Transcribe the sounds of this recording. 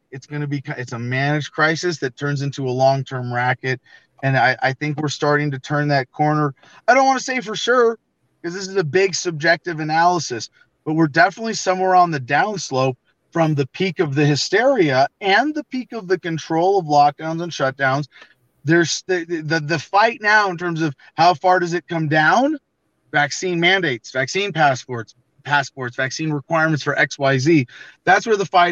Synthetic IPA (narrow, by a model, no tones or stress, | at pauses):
ɨtsɡ̥ʌnɨbikʰʌɨtsəmænɨ̥d͡ʒʒ̥kʰɹ̥aɪsɨsðɨtʰɜ̃˞nzɪ̃ntuəlɔ̃ŋtʰɜ̃˞mɹækɨɾ̚ | ɨ̃naɪʔa̰ɪθɪ̃ŋkwɨɹstɑɹɾɪ̃ŋtɨtʰɜ̃˞nðɨt̚kʰɔɹnə˞ | aɪɾõʊ̃nwɑntɨseɪfə˞ʃʊɹ | kʌzðɪs̬ɨzɨbɪɡsɨb̚d͡ʒɛk̚tɨvɨnælˠəsɨs | b̥ʌt̚wɨɹdɛfənətˡlisʌ̃mwɛɹə̃nðɨdãʊ̃nsloʊp | fɹʌ̃mðɨpʰikʌvðɨhɨstɛɹiɨɨ̃nðɨpʰikʌvðɨkɨ̃ntʰɹ̥oʊlˠʌvlɑk̚d̥ãʊ̃nzə̃nʃʌt̚d̥ãʊ̃nz | ðə˞sðɨðɨfaɪtⁿnaʊə̃ntʰɜ̃˞mzʌv̥ | haʊfɑɹɾʌzɨt̚kʰʌ̃mdãʊ̃n | væksĩnmæ̃ndeɪtsv̥æksĩnpʰæspɔɹts | pʰæspɔɹtsv̥æksĩnɹɨkʰw̥aɪɹmɨ̃ntsfə˞ʔɛkswaɪziðætswə˞ðəfaɪ